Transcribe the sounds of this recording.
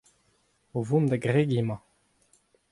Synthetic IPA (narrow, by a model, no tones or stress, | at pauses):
ovumd̪aɡʁeɡimɑ̃